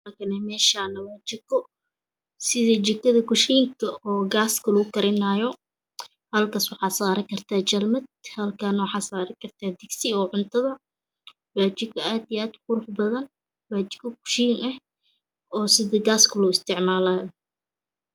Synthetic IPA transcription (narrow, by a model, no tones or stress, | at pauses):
ɐkʰɐnɛmɛːʃaːnɐwaːt͡ʃɪkʰɔ | sɪðɐt͡ʃɪkːɐðɐkʊʃiːŋkʰɐɔːɡaːskʰɐlʊɣʊkɐɾɪnaːjɔ | hɐlkʰaːswɑħɑːsaːɾɐkʰɐrt̪ʰaːt͡ʃɐlmɐd̪̚hɐlkʰanɐwɑħɑːsaːɾɐkʰɐrt̪ʰaːd̪ɪɡsɪɔːʕʊnt̪ʰɐðɐ | waːt͡ʃɪɡkʰɐaːd̪ijaːd̪kʊɾʊfbɐðɐn | waːt͡ʃɪ̥ɡkʰɐkʊ̥ʃiːnɐh | ɔːsɪðɐɡaːskʰɐlʊɪst̪ʰɪʕmaːlaːjɔ